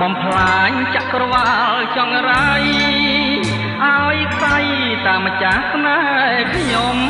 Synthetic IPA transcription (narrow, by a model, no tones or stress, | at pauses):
ɓɑmpʰlaːɲt͡ɕaʔkrɔʋaːlt͡ɕɑŋraːj | ʔaɔjkʰsaj | t̪aːmːət͡ɕahsnaːɛkʰɲom